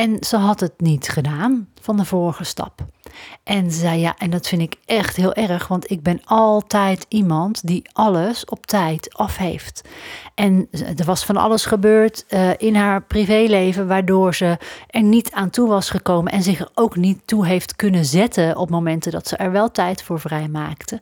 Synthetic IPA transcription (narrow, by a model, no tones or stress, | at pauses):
ɛnz̥əɦɑtɦətnitχədaːnv̥ɑndəvɔːɹχəstɑ̰pʔɛnzɛjja̰ːʔɛndɑtfɪndɪkɛχtɦɪːlˠʔɛɹəχʋɑntɪɡ̚bɛnɑlˠtɛjtimɑntdiʔɑləsɔptɛjtɑfɦejftʔɛndəɹʋɑsfɑnɑ̰ləsχəbøːɹtʔɪnɦaːɹprivejlejvəʋaːɹdʊːɹzəʔɛɹnitʰaːntuʋɑsχəkowmənʔɛnzɪχɛɹowknitːuɦejftkɵnəzɛtəɔpmowmɛntədɑtsəʔɛɹʋɛlˠtɛjtfʊːɹvrɛjmaːktə